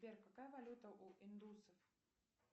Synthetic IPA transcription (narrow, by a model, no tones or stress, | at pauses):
pʲerkakajɐvalʲut̪ɐʔuʔind̪usɐf